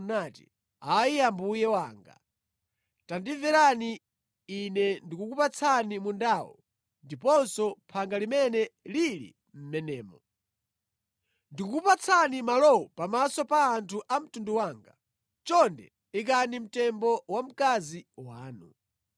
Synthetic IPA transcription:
natḭ | aijambujɛwaːŋɡa̰ | tandivɛɾaniː | nɛndikukupat͡sʰanimundawɔ̰ | ndipɔnsɔpʰaŋɡalimɛnɛlilḭ | m̩mɛnɛːmɔ | ndikuupat͡sʰanimalɔupamasɔpaːntʰuʔam̩tunduwaːŋɡa | t͡ʃɔndɛ̰ | ik̬anim̩tɛmbɔwam̩kaziwaːnṵ

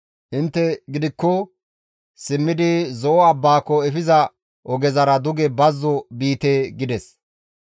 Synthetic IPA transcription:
ʔɪnt̪ːɛɡɪd̪ɪkːɔ | sɪmːɪd̪ɪzɔʔɔɐbːaːkːɔɛfɪzɐ | ʔɔɡɛzɐɾɐd̪ʊɡɛbɐzːɔbiːt̪eːɡɪd̪ɛs

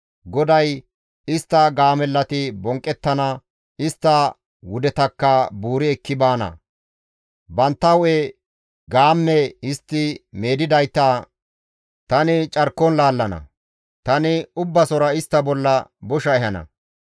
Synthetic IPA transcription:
ɡɔd̪ɐj | ɪst̪ːɐɡaːmɛlːɐt̪ɪbɔŋkʼːɛt̪ːɐnɐ | ɪst̪ːɐ | wʊd̪ɛt̪ɐkːɐbuːɾɪɛkːɪbaːnɐ̰ | bɐnt̪ːɐwe | ɡaːmːɛɪst̪ːɪme̞ːd̪ɪd̪ɐjt̪ːaː | t̪ɐnɪt͡ʃʼɐɾkːɔnlaːlːɐnɐ̰ | t̪ɐnɪʊbːɐsɔɾɐɪst̪ːɐbɔlːɐbɔʃɐɛhɐnɐ̰

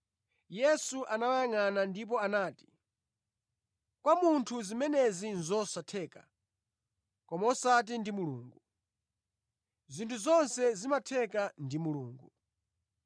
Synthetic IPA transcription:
jɛsuʔanawajaŋanandip̬ɔanaːti̥ | kwamuntʰuzimɛnɛzinzɔsatʰɛːka̰ | kɔmaɔsat̬indimuluːŋɡu | zintʰuzɔnsɛzimatʰɛkandimuluːŋɡu

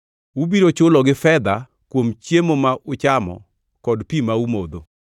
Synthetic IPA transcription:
ubiɾot͡ʃʊlɔɡɪfɛd̪a | kwomt͡ʃjemomaʔʊt͡ʃamɔ̰ | kɔdpimaumod̪o

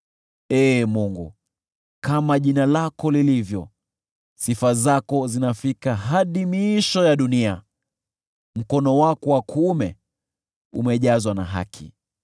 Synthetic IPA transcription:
ɛːmuŋɡṵ | kamaʄinalakɔlilivjɔ | sifazakɔzinafikaɦaɗimiʃɔjaɗunia | m̩kɔnɔwakɔwakʰumɛ | umɛʄazwana̰ɦa̰kʰḭ

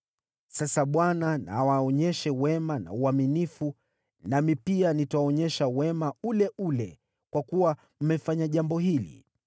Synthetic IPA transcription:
sasaɓwanana̰waɔɲɛʃɛwɛmana̰uaminifu | namipianitawɔɲɛʃawɛmaulɛʔulɛ | kwakuwa | m̩mɛfaɲaʄambɔhilḭ

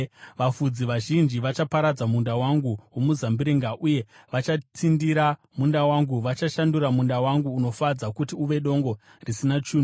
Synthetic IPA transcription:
ʋafud͡ziʋaʒind͡ʒiʋat͡ʃapaɾad͡zamundawaŋɡuwo̞muzambiɾiŋɡaʔuje̞ | ʋat͡ʃatʰindiɾa | mundawaŋɡuʋat͡ʃaʃanduɾamundawaŋɡuːno̞fad͡zakutiuʋe̞ɗo̞ŋɡo̞ | risinat͡ʃuːno

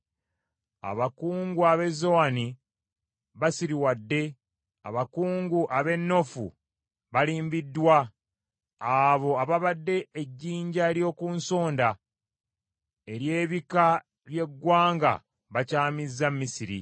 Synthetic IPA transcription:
a̰βakuːŋɡuaβe̞zowani | βasiɾiwadːe̞ | a̰βakuːŋɡuʔaβe̞nːo̞fṵ | βaliːmbidːwa | aβo̞aβaβadːe̞eɟːiːɲɟaeɾjo̞ːkunso̞ːnda | eɾje̞ːβika | βje̞ɡwaːŋɡa̰ | βacaːmizːamːisiɾḭ

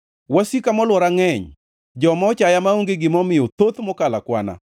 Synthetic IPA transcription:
wasikamɔlwɔɾaŋɛɲ | d͡ʒɔmɔt͡ʃajamaoŋɡeɡɪmɔmɪjɔt̪ot̪mɔkalakwa̰na̰

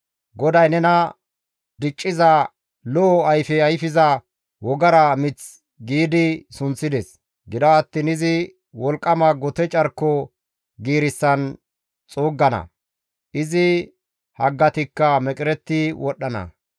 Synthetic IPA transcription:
ɡɔd̪ɐjnɛnɐ | d̪ɪt͡ʃʼːɪzɐ | lɔɐjfɛɐjfɪzɐ | wɔɡɐɾɐmɪt͡s | ɡiːd̪ɪsʊnt͡sːɪd̪ɛs | ɡɪd̪ɐɐt̪ːɪnɪzɪ | wɔlkʼːɐmɐɡɔt̪ɛt͡ʃʼɐɾkːɔ | ɡiːɾɪsːɐn | t͡sʼoːɡːɐnɐ̰ | ʔɪzɪ | hɐɡːɐt̪ɪkːɐmɛkʼɪɾɛt̪ːɪwɔɗːɐnɐ̰

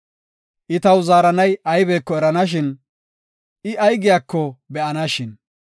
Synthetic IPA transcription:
ʔɪt̪ɐwzaːɾɐnɐjɐjbeːkːɔɛɾɐnɐʃ̬ɪn | ʔɪʔɐjɡɪjaːkːɔbɛʔɐnɐʃɪn

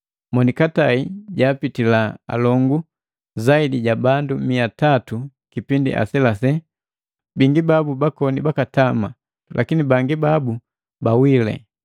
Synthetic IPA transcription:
mɔnikataiɟaːpitilaa̰lɔŋɡu | zaidiɟabandumiatatu | kipindḭʔa̰sɛlasɛ | biŋɡibabubakɔnibakatama | lʔa̰kinibaŋɡibabu | bawilɛ̰

